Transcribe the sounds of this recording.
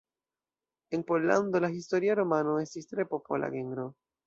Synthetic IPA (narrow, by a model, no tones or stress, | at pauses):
enpoland̪olaist̪oɾiaɾomanoest̪ist̪ɾe̞popola̰ɡeŋɡɾo